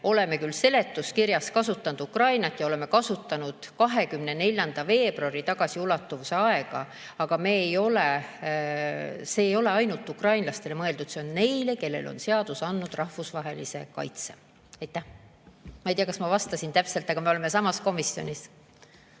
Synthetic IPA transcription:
o̞le̞me̞kylse̞le̞t̪ːˑuskiɾjɑskɑsut̪ˑːɑnud̪ukrɑjnɑt̪ːˑjɑo̞le̞me̞kɑsut̪ːˑɑnud̪̥kɑɦe̞kymne̞ne̞lʲjɑnd̪̥ɑve̞ːb̥ruɑɾit̪ɑɡ̥ɑsiulɑt̪ːuvuse̞ɑe̞ɡ̥ɑ̰ | ɑɡ̥ɑme̞ːejo̞le | se̞ːjo̞le̞ɑjnult̪ːˑukrɑjnlɑst̪e̞le̞mɤe̞ld̪ud̪̥se̞o̞nne̞jle̞ke̞lːe̞̰lo̞̰nse̞ɑd̪̥usɑnːud̪̥rɑhvusvɑɦe̞lḭse̞̰kɑ̰jt̪se | ɑjt̪ːˑæh | mɑijt̪ijɑkɑsmɑvɑst̪ɑsint̪æpselt̪ːˑɑɡ̥ɑmeole̞me̞sɑmɑsko̞misjo̞̰nʲis

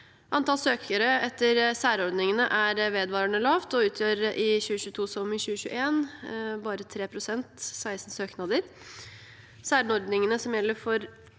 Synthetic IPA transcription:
ʔɑnt̪ɑːlsøːkʰəɾəɛt̪ːəɾsæːɾɔɾd̪nɪŋənəʔæɾʋeːd̪ʋɑːɾəɳəlɑːʋt̪ɔʉːt̪ʰjøːɾəʔɪçʉːəɕʉːət̪ʰuːsɔmɪɕʉːɕʉ̰ːə̰ʔeːnbɑːɾət̪ʰɾeːpʰɾʊsɛnt̪sæɪsn̩søːknɑd̪əɾ | sæːɾnɔɾd̪nɪŋənəsɔmjɛlːəɾfɔɾ

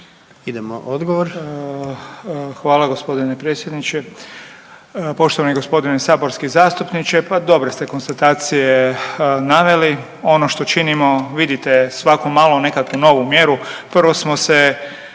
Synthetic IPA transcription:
id̪emo̰ʔod̪ɡoʋoɾ | xʋaːlaɡo̞spo̞d̪inepɾeːt̪sjed̪nit͡ʃe | po̞ʃt̪oʋaneɡo̞spo̞d̪inesaːbo̞ɾskizaːst̪upnit͡ʃe̞pad̪o̞bɾest̪e̞ko̞nst̪at̪aːt̪sijenaʋe̞li | o̞noʃt̪o̞t͡ʃinimo̞ʋid̪it̪e̞sʋakomaːlˠone̞kakuno̞ʋumje̞ɾupr̩ʋo̞smo̞se

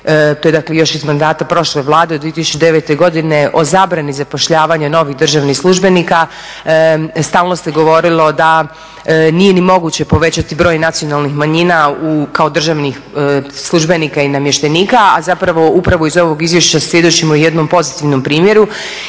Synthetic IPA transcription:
t̪oed̪aklejo̞ʃizmand̪aːt̪apɾo̞ʃle̞ʋlˠaːd̪ed̪ʋiet̪isu̥t͡ʃud̪e̞ʋet̪e̞ɡo̞d̪ine̞ʔo̞zaːbɾanizapo̞ʃʎaːʋaɲano̞ʋixd̪r̩ʒaʋnixslˠuʒbe̞nika | st̪aːlno̞st̪eɡo̞ʋo̞ɾilˠo̞d̪a | nije̞nimo̞ɡut͡ɕe̞po̞ʋe̞t͡ɕat̪ibɾo̞ːjnat̪sijo̞nalˠnixmaɲinaukaod̪r̩ʒaʋnixslˠuʒbe̞nikainamje̞ʃt̪e̞niːkaazapɾaʋo̞upɾaʋoizo̞ʋo̞ɡizʋje̞ʃt͡ɕasʋje̞d̪ot͡ɕimojed̪no̞mpo̞zit̪iʋno̞mpɾiːmjeɾu

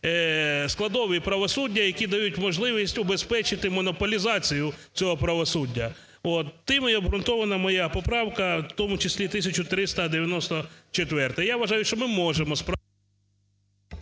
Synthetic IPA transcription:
sklˠɐd̪ɔʋipɾɐʋɔsudʲːɐjɐkʲid̪ɐjutʲmɔʒlˠɪʋʲisʲtʲʊbe̞spɛt͡ʃɪt̪ɪmɔnɔpɔlʲizɑt͡sʲijʊt͡sʲɔɦɔpɾɐʋɔsudʲːɐ | ɔt̪ːɪmiɔbɦɾʊnt̪ɔʋɐnɐmɔjapɔpɾɑwkɐt̪ɔmʊt͡ʃɪsʲlʲit̪ɪsʲɐt͡ʃʊt̪ɾɪst̪ɐd̪eʋʲjɐnɔst̪ɔt͡ʃet̪ʋɛrt̪ɛjaʋɐʒɑjʊʃt͡ʃɔmɪmɔʒemɔspɾ

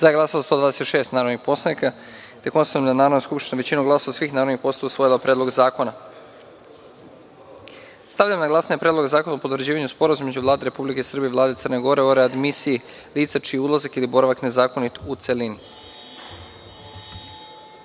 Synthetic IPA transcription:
zajeɡlˠaːsazast̪od̪ʋaːd̪eset̪ʃe̞ːst̪naːɾo̞d̪nixpo̞slanika | t̪e̞ko̞nst̪amd̪anaːɾod̪naskupʃt̪ineʋe̞t͡ɕinuɡlˠaso̞ʋasʋiːxnaːɾo̞d̪nixpo̞st̪aausʋo̞jilapɾʲʔed̪lo̞ɡzaːko̞na | st̪aʋʎamnaɡlˠasaɲepɾed̪lˠoɡzaːkonaopo̞t̪ʋɾd͡ʑiːʋaɲuspo̞ɾazumimed͡ʒuʋvlˠaːd̪eɾe̞publikeisr̩bievlˠaːd̪eər̩neɡo̞ɾe̞oɾead̪misii | liːt̪sat͡ʃijeud̪lˠazakilibo̞ɾaʋakne̞zaːkonit̪ut̪selin

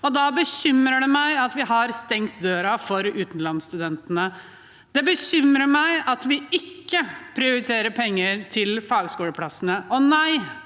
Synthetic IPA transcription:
ɔd̪ɑbəɕʏmɾəɖɛmæɪɑt̪ʋɪɦɑɾst̪ɛŋkt̪̚d̪øːɾɑfɔɾʉːt̪nlɑnst̪ʉd̪ɛnt̪ənə | d̪̥ɛbəɕʏmɾəmæɪʔɑt̪ʋɪɪkːəpʰɾɪʊɾɪt̪ʰeːɾəɾpʰɛŋːəɾt̪ʰɪlfɑːɡskuːləpʰlɑsːənəʔɔnæɪ

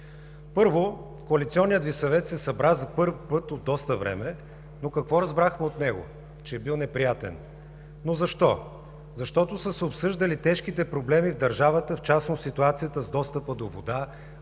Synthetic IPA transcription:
pɤɾvo | koɐlit̪siɔnːijətd̪visɐvɛt̪sɛsɐbɾazɐpɤɾfpɤt̪od̪ːɔst̪əvɾɛ̰mɛ | nokɐkvɔɾɐzbɾaxmɛot̪nɛɡo̰ | t͡ʃɛːbilˠnɛpɾijat̪ɛ̰n | nozɐʃt̪ɔ | zɐʃt̪ɔt̪osəsɛopsɤʒd̪əlit̪ɛʃk̟it̪ɛpɾoblɛmivd̪ɐɾʒavət̪əft͡ʃasnosit̪uat̪sijət̪əzd̪ɔst̪əpəd̪ovo̰d̪a

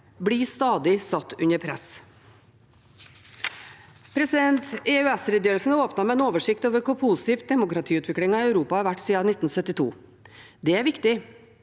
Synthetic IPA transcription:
bɽiːst̪ɑːd̪ɪsɑt̪ːʉɲəɾpʰɾɛ̰s | pʰɾɛsɪd̪ɛnt̪ɛʉɛsɾɛd̪jøːɾlsn̩oːpnɑmɛɛnoːʋəʂɪk̚t̪oːʋəɾkʊpʰʊsɪ̥t̪iːf̚d̪ɛmʊkɾɑt̪ʰiːʉːt̪ʋɪkɽɪŋɑœʉɾuːpɑɑɾʋæʈːsiːɑnɪt̪ːn̩sœt̪ːɪt̪ʰṵː | d̪ɛæːɾʋɪkt̪ɪ

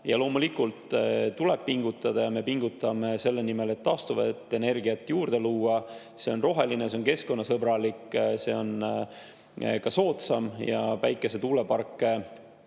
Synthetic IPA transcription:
jɑlo̞ːmulikult̪t̪uleb̥̚piŋɡ̥ut̪ːˑɑd̪̥ɑjɑme̞piŋɡ̥ut̪ːˑɑmese̞lːe̞nime̞le̞t̪ːɑst̪uvḛt̪ːˑe̞ne̞rɡiɑt̪ːˑjuːrd̪̥e̞luːɑ | se̞o̞nro̞ɦe̞lineseonke̞sko̞nːɑsɤbɾɑlikːˑse̞o̞n | kɑso̞ːt̪sɑmjɑpæjkːˑe̞se̞t̪uːle̞pɑrkːˑe̞

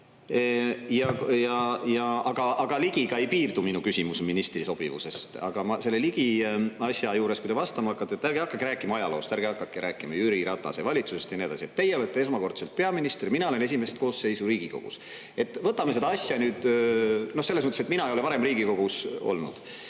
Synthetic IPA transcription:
jɑjɑjɑɑɡ̥ɑʔɑɡ̥ɑliɡ̥iɡ̥ɑe̞jpiːrd̪uminukysʲimusminist̪riso̞b̥ḭvṵse̞st̪ɑ̰ɡ̥ɑmɑse̞lːeliɡ̥iɑsʲjɑjuːɾe̞skujt̪e̞vɑst̪ɑmɑɑkːˑɑt̪ːet̪ːˑæɾɡ̥eɑkːˑɑkːeɾæːkːˑimɑɑjɑlo̞ːst̪æɾɡ̥eɑkːɑkːˑeɾʔæːkːˑimɑjyɾiɾɑt̪ːˑɑ̰sevɑlʲit̪suse̞st̪jɑned̪ɑ̰sie̞t̪ːejːeolet̪ːee̞s̬mɑko̞rt̪selt̪̚pe̞ɑminist̪rminɑole̞ne̞s̬ʲime̞st̪ko̞ːsːe̞jsuɾiːɡ̥iko̞ɡ̥ṵs | e̞t̪ːˑvɤt̪ːˑɑmese̞d̪ɑɑsʲjɑnyːd̪̥no̞hselːesmɤt̪ːeset̪minɑeo̞lepɑɾe̞mriːɡ̥iko̞ɡ̥uso̞̰lnṵd̪̥

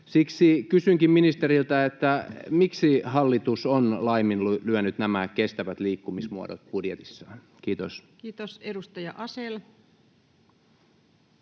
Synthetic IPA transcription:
siksikysyŋkimminist̪eɾilt̪æet̪ːæmiksihɑlːit̪usonlɑiminlulyænyt̪næmækest̪æʋæt̪liːkːumismuo̰do̰t̪̚budjet̪isːɑːn | kiːt̪o̰skiːt̪osedust̪ɑjɑʔɑsel

